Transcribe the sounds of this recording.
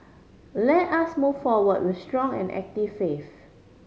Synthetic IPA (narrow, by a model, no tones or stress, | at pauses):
lɛtasmuvfɔwəd̚wɪθstɹɔ̃ŋɛ̰̃nɛ̰k̚tivfef